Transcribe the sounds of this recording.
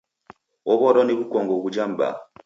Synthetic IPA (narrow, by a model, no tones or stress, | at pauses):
ɔβɔɾɔniβukɔŋɡɔβud͡ʒam̩ba̰